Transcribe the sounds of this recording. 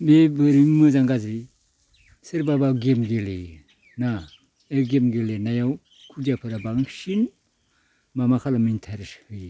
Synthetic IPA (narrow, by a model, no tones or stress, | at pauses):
bebɯɾiŋmɯzaŋɡazi | sɯɾbabaɡemɡele | na | eɡemɡelenajaw | kʰudijapʰɯɾabaŋsin | mamakʰalamintʰaɾshɯj